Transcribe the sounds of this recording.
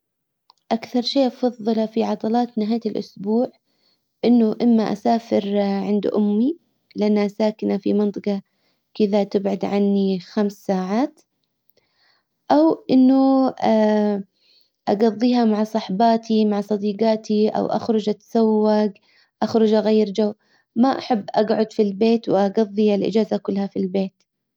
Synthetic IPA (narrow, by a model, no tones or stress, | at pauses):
ʔakθɑɾˤʃeːʔɑfɑðˤːɨlafiʕɑd̪ˤɑlɑːt̪nɪɦaːjlʔʊ̰sbuːʕ | ʔɪnːʊʔɪmːaʔa̰saːfɪɾʕɪnd̪ʔʊmːi | lɪʔanːaʔasaːkɪnafḭmɑnt̪ˤɨqɑ | kɪðat̪ɪbʕad̪ʕanːixamsːaːʕaːt̪ | ʔawʔɪnːʊa | ʔaɡɑðˤːiːɦamaʕsˤɑħbɑːt̪ʰimaʕsˤɑd̪iːɡɑːt̪iʔa̰wʔa̰xɾʊd͡ʒʔat̪ḁsawːaɡ | ʔaxɾˤʊd͡ʒʔaɣajːɾd͡ʒawː | maʔa̰ħabːʔaɡʕʊd̪filbeːt̪wʔaɡɑðˤːialʔɪ̰d͡ʒaːzakʊlːhafilbeːt̪